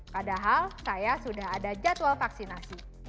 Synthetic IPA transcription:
padaɦalsajasudaɦadad͡ʒat̪walfaksinasi

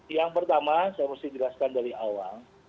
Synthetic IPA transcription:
jaŋpərt̪amasajamast̪ɪhd͡ʒəlaskandaɾiawaŋ

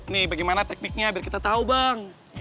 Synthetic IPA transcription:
nɪhbaɡijmanat̪ɛk̚nɪk̚ɲaːbɪrkit̪at̪aubaŋ

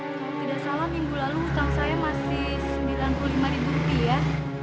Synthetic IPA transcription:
t̪idaʔsalamiŋɡulaluuk̪aŋsajamasɪhsəmbilanpululimaɾibuɾupia

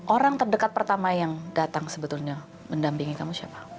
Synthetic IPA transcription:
ʔoɾaŋt̪ərdəkat̪̚pərt̪amajaŋdat̪aŋsəbət̪ulɲa | məndampiŋikamusiapḁ

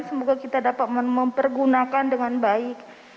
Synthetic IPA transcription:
nsəmoɡakit̪adapat̪̚məməmpərɡunakandəŋanbaɪk̚

